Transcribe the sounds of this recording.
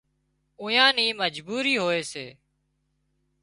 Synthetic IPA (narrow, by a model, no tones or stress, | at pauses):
ʊ̃jãːnĩːməd͡ʒbuːɾiːɦoːeːseː